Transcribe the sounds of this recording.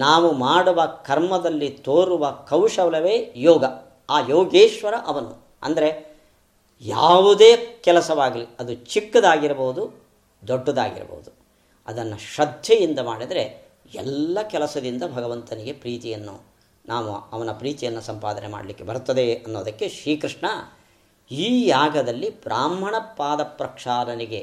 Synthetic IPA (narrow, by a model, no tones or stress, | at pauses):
naːʋumaːɽuʋɐkɐɾmɐd̪ɐlːit̪oːɾuʋɐkɐwʂɐʋlɐʋeːjɔːɡɐ | aːjoːɡeːʃʋɐɾɐʔɐʋɐnu | ɐ̰nd̪ɐɾe̞ | ja̰ːʋud̪eːkɛlɐsɐʋaːɡɐliɐd̪ut͡ʃikːɐd̪aːɡiɾɐboːud̪u | d̪oɖːɐd̪a̰ːɡḭɾɐ̰bo̰ːud̪u | ɐd̪ɐnːɐʃɐd̪ʱjɐjind̪ɐmaːɽid̪ɐɾe̞ | ɛ̰lːɐkɛlɐsɐd̪ind̪ɐbʱɐɡɐʋɐnt̪ɐniɡe̞pɾiːt̪ijɐnːṵ | naːʋṵɐʋɐnɐpɾiːt̪ijɐnːusɐmpaːd̪ɐnema̰ːɽɐlikːe̞bɐɾut̪ːɐd̪eɐnːoːd̪ɐkːe̞ʃɾiːkɾiʂɳɐ | iːjaːɡɐd̪ɐlːipɾaːmɐɳɐpːaːd̪ɐpɾɐkʂaːɾɐniɡe